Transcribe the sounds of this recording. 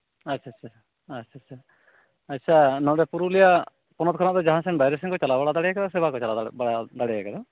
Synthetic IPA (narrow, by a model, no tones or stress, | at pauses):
ətːʃʰaːt͡ʃʰa | ətːt͡ʃʰatːt͡ʃʰa | ətːʃʰanɔ̃ɖɛpuɾulija | pɔnɔt̪kʰɔnaʔt̪ɔd͡ʒaɦãsɛnbajɾɛs̬ɛŋkɔt͡ʃalabaɽad̪aɽɛakad̪ɔsɛbakɔt͡ʃalabaɽad̪aɽɛjakad̪ɔ